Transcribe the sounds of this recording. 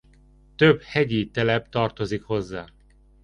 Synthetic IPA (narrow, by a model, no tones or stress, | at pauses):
t̪øbhɛɟit̪ɛlɛpt̪ɒrt̪o̞zikho̞zːaː